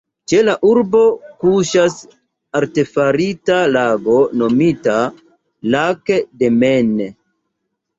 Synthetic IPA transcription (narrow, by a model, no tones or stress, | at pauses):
t͡ʃe̞laʔuɾbo̞kuʃas | aɾte̞faɾitalaɡo̞no̞mita | lakede̞mene